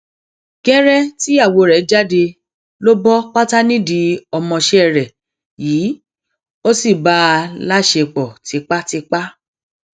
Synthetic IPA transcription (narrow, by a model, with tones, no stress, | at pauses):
ɡ̥ɛ˦ɾɛ˦ti˦a˦˨wo˨˧ɾɛ˨˦d͡ʒa˦de˧ | lo˦bɔ˦k͡pa˦ta˦nĩ˦di˨˦ɔ˧mɔ̃˧ʃe˧˦ɛ˨ɾɛ˨ | jiː˨˦ | o˦si˦˨ba˦˧la˦ʃe˧k͡pɔ˨ti˨˧k͡pa˦ti˧k͡pa˦